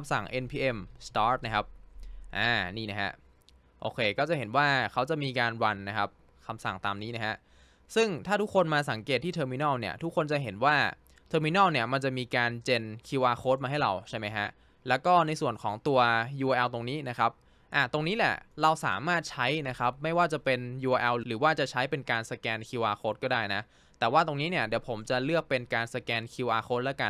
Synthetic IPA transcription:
msa̰˨˩ŋʔe˧npʰiː˧ʔe˧mst̪aː˦˥t̪̚na˦˥kʰa˦˥p̚ʔaː˨˧˩niː˥˩na˦˥ha̰˦˥ʔ | ʔo̰ː˧kʰeː˧kɔː˥˩t͡ɕa˨˩ɦe˩˦nwaː˥˩kʰa˦˥wt͡ɕa˨˩miː˧kaː˧nwa˧nːa˦˥kʰa˦˥p̚ | kʰa˧msa̰˨˩ŋt̪aː˧mniː˦˥na˦˥ɦa˦˥ | sɯ˥˩ŋt̪ʰaː˥˩t̪ʰu˦˥kʰːo˧nmaː˧sa˨˩˦ŋke˨˩t̪ʰːiː˥˩t̪ʰɤː˧miː˦˧nɔː˥˩ni˥˩ɐt̪ʰu˦˥kʰːo˧nt͡ɕa˨˩ɦe˩˦nwaː˥˩ | t̪ʰɤː˧miː˧nɔː˥˩ni˥˩ɐma˧nt͡ɕa˨˩ʔmiː˧kaː˧nt͡ɕe˧nkʰi˧waː˧xʰoː˦˥t̪̚maː˧ɦa˥˩jɾa̰˧wt͡ɕʰa˥˩jma˦˥jkʰa˦˥ʔ | lɛː˦˥wkɔː˥˩na˧jsu˨˩ənkʰɔː˩˦ŋt̪u˧ɐjuː˧ʔɛ˧wt̪o˧ŋniː˦˥na˦˥kʰa˦˥p̚ | ʔaː˨˩t̪o˧ŋniː˦˥lɛ̰˥˩ɾa˧wsa̰ː˩˦maː˥˩t̪̚t͡ɕʰa˦˥jna˦˥kʰa˦˥p̚ma˥˩jwaː˥˩t͡ɕa˨˩pe˧njuː˧ʔʔɛ˧wɾɯː˩˦waː˥˩t͡ɕa˨˩t͡ɕʰa˦˥jpe˧nkaː˧nsa˧kɛː˧nkʰi˧waː˧xʰoː˦˥t̪̚kɔː˥˩daː˥˩jna˦˥ | t̪ɛː˨˩waː˥˩t̪o˧ŋniː˦˥ni˥˩əd̪i˩˦wpʰo˩˦mt͡ɕa˨˩lɯ˥˩ək̚pe˧nkaː˧nsa˧kɛː˧nkʰi˧wʔaː˧xʰoː˦˥t̪̚lɛ˦˥ka˧n

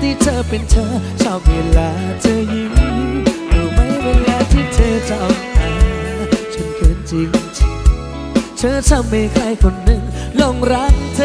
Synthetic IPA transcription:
t̪ʰiː˧˩t̪ʰɤː˧˩pe˧nt̪ʰɤː˧˩t͡ɕʰa˧˩p̚weː˧laː˨˦t͡ɕa˧˨ji˧˦ŋ | d̪uː˧˩ma˧˥jweː˧lːaː˧˦t̪ʰiː˧˩t͡ɕʰəː˧˩t͡ɕa˧˩ʔʔaː˨˧˦t͡ɕʰo˧˩nkʰɯː˨˥nt͡ɕi˧ŋt͡ɕʰa˧˩ | t͡ɕʰəː˧˦t͡ɕʰa˧˩ma˧˩jkʰla˧˩jkʰo˧nːɯ˧˩ŋlo˧˩ŋɾa˦˥ŋt̪ʰ

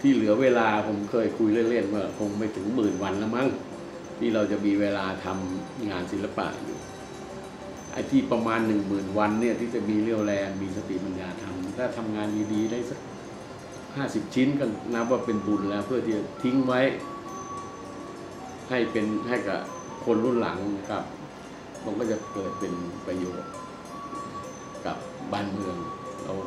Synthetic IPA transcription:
t̪ʰiː˥˩lɯ˨˩˦ɐweː˧laː˧pʰo˩˦mkʰɤː˧˩jkʰu˧jlɯ˥˩əle˥˩nwaː˧˩kʰo˧ŋma˧˩jt̪ʰɯ˨˩˦ŋmɯː˨˩nwa˧nla˦˥wma˦˥ŋ | t̪ʰiː˥˩ɾa˧wt͡ɕa˨˩ʔmiː˧weː˧laː˧t̪ʰa˧m | ŋaː˧nsi˨˦nla˧pa̰˨˩ʔnḭ˧˩ | ʔa̰˧˩t̪ʰiː˧˩pa˧maː˧nːɯ˨˩ŋmɯː˨˩nwa˧nːi˥˩ɐt̪ʰiː˥˩t͡ɕa˨˩miː˧lɯ˧˩əwlɛː˧nmiː˧sa˧t̪ḭ˨˩pa˧njaː˧t̪ʰa˧m˧t̪ʰaː˧˩t̪ʰa˧mŋaː˧njiː˧diː˧da˧˥˩jsa˦˥k̚ | haː˥˩si˨˩p̚t͡ɕʰi˦˥nkɔ˧˥˩na˦˥p̚waː˧˩pe˧nbu˨˩nlɛː˦˩wpʰɯ˥˩ɐt̪ʰiː˧˩t͡ɕa˨˩t̪ʰi˦˥ŋwa˦˥j | ha˥˩jpe˧nɦa˥˩jka̰˧˩ | kʰo˧nɾu˥˨nla̰˨˩˦ŋna˧kʰa˦˥p̚ | ma˧˩kɔː˥˩t͡ɕa˨˧˩pɤː˨˩t̪̚pe˧npɾa˧joː˨˩t̪̚ | ka̰˨˩˦p̚baː˧˩nmɯ˧əŋɾa̰˧w

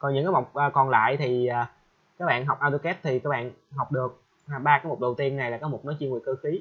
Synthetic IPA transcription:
kɔ˨˩nɲɨ̰˧˥ŋkaː˨˦ma˨˩wk͡p̚ʔəː˨˩kɔ˨˩nla̰ː˧˨jt̪ʰi˨˩aː˨˩ | kaː˦˥k̚ɓa̰ː˧˨nɦa˨˩wk͡p̚ʔaː˧t̪u˧kɛ˦˥p̚t̪ʰi˨˩kaː˦˥k̚ɓa̰ː˧˨nɦa˨˩wk͡p̚ɗɨ˨˩ək̚ | ha˨˩ɓaː˧kaː˨˦jmo˨˩k͡p̚ɗə˨˩wt̪i˧ənːa˨˩jlaː˨˩kɔ˨˦mo˨˩k͡p̚nɔ˨˦jt͡ɕi˧ŋɨ˨˩əjkɨ˧xi˨˦

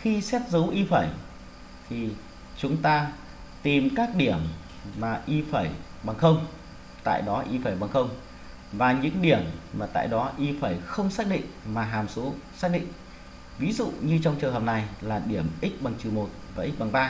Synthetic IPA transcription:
xi˧sɛ˦˥t̚zə˨˦wʔi˧fəː˧˩j | t̪ʰi˨˩ | t͡ɕʊ˨˦ŋ͡mt̪aː˧ | t̪i˨˩mkaː˦˥k̚ɗi˧˩əmː | aː˨˩ʔi˧fəː˧˩j | ɓa˨˩ŋxə˧wŋ͡m | t̪a̰ː˧˨jɗɔ˨˦ʔi˧fəaː˧˩jɓa˨˩ŋxə˧wŋ͡m | vaː˨˩ɲɨ̰˧˥ŋɗi˧˩əmːaː˨˩t̪a̰ː˧˨jɗɔ˨˦ʔi˧faː˧˩jxə˧wŋ͡msaː˦˥t̚ɗḭ˧˨ŋ̟maː˨˩ɦaː˨˩mso˨˦saː˦˥t̚ɗḭ˧˨ŋ | vi˨˦zṵ˧˨ɲɨ˧t͡ɕɔ˧wŋ͡mt͡ɕɨ˨˩ŋhə˨˩p̚na˨˩jlaː˨˩ɗi˧˩əmʔi˦˥k̟̚ɓa˨˩ŋt͡ɕɨ˨˩mo˨˩t̚vaː˨˩ʔi˦˥k̚ɓa˨˩ŋɓaː˧

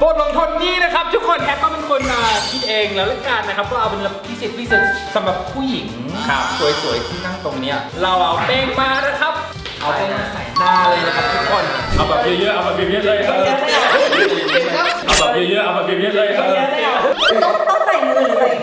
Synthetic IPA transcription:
bo˨˩t̪̚lo˨˦ŋkʰo˧nːiː˥˩na˦˥kʰa˦˥p̚t̪ʰu˦˥kʰːo˧nɦʰɛː˦˥p̪̚waː˥˩me˧nkʰo˧nʔaː˨˩kʰi˦˥t̪̚ʔeː˧ŋlɛː˦˥wlɛ˦˥kaː˧nːa˦kʰa˦˥p̚kʰɔː˥˩ʔa˧wpe˧nla˧˥˨wʰi˦˥si˨˩t̪̚wʰi˦˥si˨˩t̪̚sa˨˩˦mɾa˨˩pʰːuː˥˩ji˨˩˦ŋkʰa˦˥˩su˨˩˦jsu˨˩˦jt̪ʰiː˥˩na˥˩ŋt̪o˧ŋniː˦˥ɐ | ɾa˧wʔa˨˩pɛː˧ŋmaː˧ɾa˦˧˥kʰa˦˥p̚ | ʔa˧waː˧naː˧˩sa˨˩˦jaː˥˩lɤː˧jna˦˥kʰa˦˥p̚t̪ʰu˦˥kʰo˧nʔa̰˨˩a˨˧˩ba˨˩ʔeː˧˩jɯː˦˥ʔa˧wma˧ke˧nŋɯː˥˩laː˧˩a˦˧ɲaː˦˥na˧˩a˦˥ʔi˧˩˦kʰa˦˥ʔa˨˧˩ba˨˩ʔeː˧jɯː˦˥ʔa˧wma˧ke˧nŋɯː˥˩laː˧jʰa˦˧aː˦˥na˧˩a˦˧˥t̪ɔ˧˥˩t̪ɔ˥˩pa˧jmɯ˧˩˧

